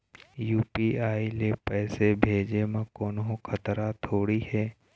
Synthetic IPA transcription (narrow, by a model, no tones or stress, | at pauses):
juːpiaːilepɛːsebʱeːd͡ʒemãkoːnɦõkʰət̪ɾat̪ʰoːɽihɛː